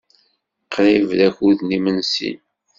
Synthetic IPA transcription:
qɾivlæçuðnimənsḭn

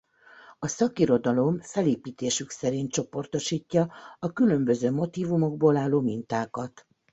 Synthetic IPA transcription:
ɒsɒkiɾo̞d̪ɒlo̞mfɛleːpiːt̪eːʃyksɛɾint̪t͡ʃo̞po̞rt̪o̞ʃiːcːɒɒkylø̞mbø̞zøːmo̞t̪iːvumo̞ɡ̚boːlaːlːoːmint̪aːkɒt̪

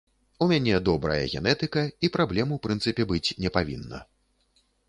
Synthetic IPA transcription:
umʲanʲɛd̪ɔbɾɐ̰jɐ̰ɣʲɛ̰nɛt̪ɨkɐipɾablʲɛmɐwpɾɨnt̪sɨpʲɛbɨt͡sʲnʲɛpavʲḭnːɐ̰

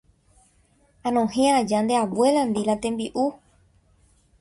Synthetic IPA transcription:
ãnõhẽad͡ʒand̪e̞aβwe̞land̪iɾat̪ẽ̞mbiʔu

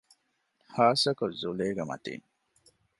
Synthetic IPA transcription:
haːsɐkɐzuleːɡemɐ̰t̪ḭːn

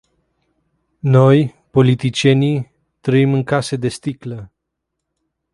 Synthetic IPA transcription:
no̞j | po̞lit̪it͡ʃje̞ni | t̪ɾəimɨŋkase̞d̪e̞st̪iklə

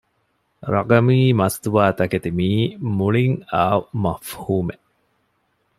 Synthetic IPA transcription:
ɾɐɡɐmiːmɐst̪uʋaːt̪ɐket̪imiːmuɭiŋaːumɐfhuːme

